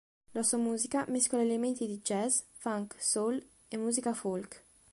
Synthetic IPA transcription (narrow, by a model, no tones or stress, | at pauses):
lasuamuːzikamiskolaelement̪id̪id͡ʒɛz | faŋksol | emːuːzikafolk